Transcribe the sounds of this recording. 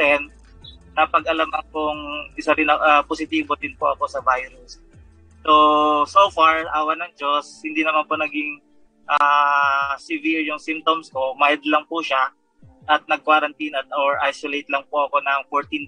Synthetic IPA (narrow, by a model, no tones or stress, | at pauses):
ɛn̚ | nɐpɐɡʔɐlamɐŋpoŋʔɪsɐɾɪnɐʔaposɪt̪iːbod̪ɪnpoʔɐko̞sɐvajɾʊsː | osofaɹʔaːwɐnɐŋd͡ʒoshɪnd̪inɐmanponɐɡɪŋ | ʔaː | sɪviɹjʊŋsɪmp̚t̪omskomajd̪lɐŋpʊʃa | ʔɐt̪̚nɐɡ̚kwaɾɐnt̪inɐt̪̚oɹʔajsolejt̪lɐŋpoʔɐko̞nɐŋfoɹt̪in